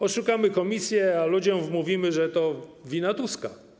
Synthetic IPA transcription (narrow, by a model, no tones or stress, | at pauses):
ɔʂukamɘkɔmʲisʲjɛalud͡ʑɔ̃mmuvʲimɘʐɛt̪ɔvʲinat̪uska